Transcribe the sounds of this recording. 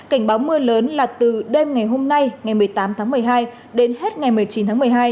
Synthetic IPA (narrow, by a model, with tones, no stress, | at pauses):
ka˧˩jŋ̟ɓaː˨˦wmɨ˧ələː˨˦nlaː˨˩t̪ɨ˨˩ɗe˧mŋa˨˩jɦo˧mna˧jŋa˨˩jmɨ˨˩əjt̪aː˨˦mt̪ʰaː˨˦ŋmɨ˨˩əjɦaː˧j | ɗe˨˦nɦe˦˥t̚ŋa˨˩jmɨ˨˩əjt͡ɕi˨˦nt̪ʰaː˨˦m˨˩əjɦaː˧j